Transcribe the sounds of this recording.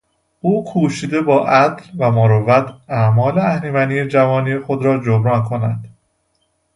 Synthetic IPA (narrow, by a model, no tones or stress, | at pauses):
uːkʰuːʃiːd̪e̞bɒːʔæt̪lvæmoɾovæt̪ʰæmɒːleæhnimæniːed͡ʒævɒːniːjexod̪ɾɒːd͡ʒobɾɒːnkʰo̞næd̪̥